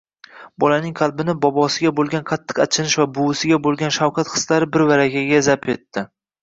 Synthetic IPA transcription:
bɒlanɪŋqʰɑlˠbɪnɪbɒbɒsɪɡʲabolˠɡʲanqʰɑt̪ʰːɨ̥qat͡ʃʰɪnɪʃvabʊwɪsɪɡʲabolˠɡʲanʃawqʰat̪χɨ̥slaɾɪbɪɾvaɾakʲaɡʲazapʰe̞t̪ːɪ

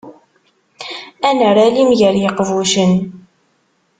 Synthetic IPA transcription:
ænəɾælimʝəɾjəqːvuʃən

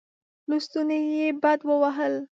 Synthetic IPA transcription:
lust̪unajebad̪wəwaɦəl

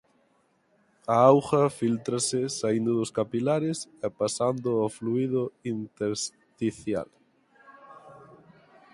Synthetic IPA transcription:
aawxɐfilt̪ɾasɪsaind̪ʊðʊskapilaɾɪsɛpasand̪ʊafluiðʊint̪eɾs | t̪iθja̰l

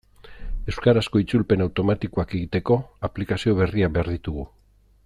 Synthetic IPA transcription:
ewskaɾasko̞it͡sulpe̞nawt̪o̞mat̪ikoake̞ɣit̪e̞ko̞aplikasio̞β̞e̞riaβe̞aɾðit̪uɣ̞u

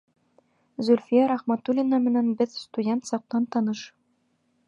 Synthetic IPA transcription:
zɵlʲfʲijɑɾɑχmɑt̪ulʲinɑmɘ̆nænbɘðst̪udʲent̪sɒq̚t̪ɑnt̪ɒnɤʃ

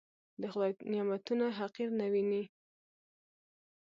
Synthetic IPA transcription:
d̪əxlɑjnijamat̪unaɦaqiɾnawini

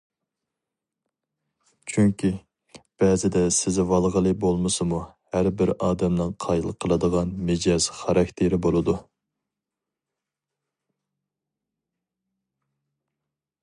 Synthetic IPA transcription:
t͡ʃʰyŋkʲʰi | b̥ɛːzɪd̪ɛsɪzɪvɑlˠʁəlˠɨbolˠmɨsɨmuhæɾbɪɾɑːd̪ɛmnɨŋqʰɑjlˠqʰəlˠɨd̪əʁɑnmɪd͡ʒɑz̥χɑɾɑkʲt̪ʰɪɾɪbolˠɨd̪u

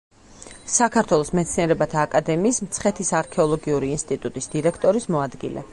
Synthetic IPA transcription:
sakʰaɾt̪ʰwɛlˠɔsmɛt̪sʰniɛɾɛbat̪ʰaːkʼad̪ɛmiːsm̩t̪sʰχɛt̪ʰisaɾkʰɛɔlˠɔɡiuɾiːnst̪ʼit̪ʼut̪ʼisd̪̥iɾɛkʰt̪ʼɔɾismɔad̪ɡḭlʔɛ̰

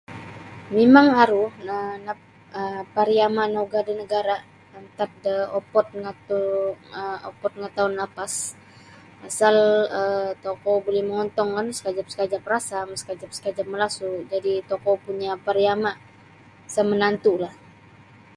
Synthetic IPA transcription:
memaŋaɾuhəna | əpaɾiamaʔnoɡadinəɡaɾa | ənt̪at̚dəɔpɔt̪̚ŋat̪uəopɔt̪̚ŋat̪aʊnlapas | asalət̪ɔkɔbolɛhməŋɔnt̪ɔŋkansə̥kad͡ʒap̚sə̥kad͡ʒap̚rasamsə̥kad͡ʒap̚sə̥kad͡ʒap̚məlasud͡ʒadit̪ɔkɔpuɲapaɾiamaʔ | samənant̪ulah

